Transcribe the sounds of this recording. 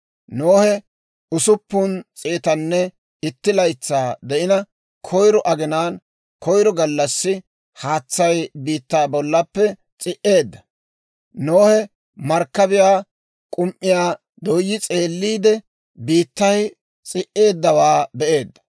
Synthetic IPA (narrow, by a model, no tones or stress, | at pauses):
noːhɛ | ʊsʊpːʊnt͡sʼeːt̪ɐnːɛ | ɪt̪ːɪlɐjt͡sːaːd̪ɛʔɪnɐ | kʰɔjɾɔʔɐɡɪnaːn | kɔjɾɔɡɐlːɐsːɪ | haːt͡sːɐjbiːt̪ːaːbɔlːɐpːɛ | t͡sʼɪʔe̞ːd̪ːɐ̥ | noːhɛ | mɐɾkːɐbɪjaː | kʼʊmʔɪjaː | d̪ɔjːɪt͡sʼe̞ːlːiːd̪ɛ | biːt̪ːɐj | t͡sʼɪʔe̞ːd̪ːɐwaːbɛʔe̞ːd̪ːɐ̥